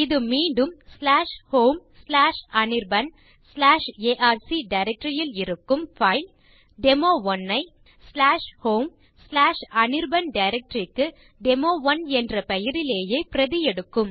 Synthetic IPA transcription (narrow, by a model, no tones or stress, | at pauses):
ɪðɯmiːɳɖɯmslaːʂhoːmslaːʂɐnɪɾbɐn | slaːʂeːʔaːɾsiɖɐɪɾɛk̚ʈɾɪjɪlɪɾɯkːɯmfɐɪl | ɖɛmoːʋɔnːɐɪ | slaːʂhoːm | slaːʂɐnɪɾbɐnɖɐɪɾɛk̚ʈɾɪkːɯ | ɖɛmoːʋɐnɛndrɐpɛjɪɾɪleːjeːpɪɾɐðɪjɛɽɯkːɯm